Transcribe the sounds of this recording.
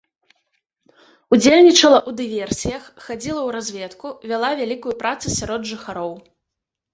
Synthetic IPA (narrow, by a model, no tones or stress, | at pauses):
ud͡zʲelʲnʲit͡ʂɐlˠɐʔud̪ɨvʲɛrsʲijɐxːad͡zʲilˠɐwɾazʲvʲɛt̪kuvʲalˠavʲalʲikujupɾat̪sɨsʲaɾɔd̪ʐɨxaɾɔw